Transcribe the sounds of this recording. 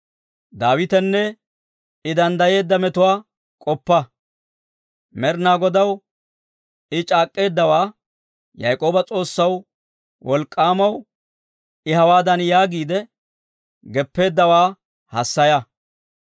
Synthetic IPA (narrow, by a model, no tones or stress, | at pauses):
d̪aːwɪt̪ɛnːɛ | ɪd̪ɐnd̪ɐje̞ːd̪ːɐmɛt̪ʊwaː | kʼɔpːɐ | mɛɾnaːɡɔd̪ɐw | ɪt͡ʃʼaːkʼːe̞ːd̪ːɐwaː | jɐ̰jkʼo̞ːbɐt͡sʼo̞ːsːɐw | wɔlkʼːaːmɐw | ɪhɐwaːd̪ɐnjaːɡiːd̪ɛ | ɡɛpːe̞ːd̪ːɐwaː | hɐsːɐjɐ